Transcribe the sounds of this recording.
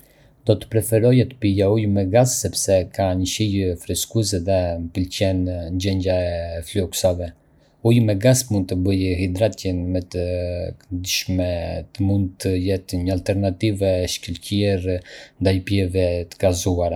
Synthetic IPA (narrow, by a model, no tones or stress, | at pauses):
d̪̥ɔt̪ə̥pɾɛfɛɾɔjɛt̪ə̥pijaujmɛɡasːɛpsɛkaɲəʃijfɾɛskus̬ɛðɛmpilt͡ɕɛnnd͡ʑɛɲɟaɛflɔksavɛ | ujmɛɡasmund̪̚t̪əbəjhid̪ɾat̪jɛnmɛt̪əkəd̪iʃmɛt̪əmund̪̚t̪ʰəjɛt̪ɲəalt̪ɛɾnat̪ivɛʃkilcjɛɾnd̪ajpjɛvɛt̪əɡazuaɾa